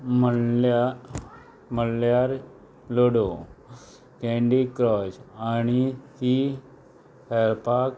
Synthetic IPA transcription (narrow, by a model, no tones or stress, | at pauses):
məa | məljaɾ | loɽo | kɛ̃ɳɖikɾɔsañit̪i | hɛɾpak